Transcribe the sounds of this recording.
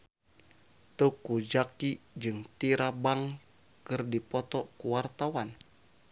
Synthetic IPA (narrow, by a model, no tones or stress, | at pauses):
t̪ukud͡ʒakid͡ʒɨŋt̪iɾabaŋ | kɨrdipɔt̪ɔkuwart̪awan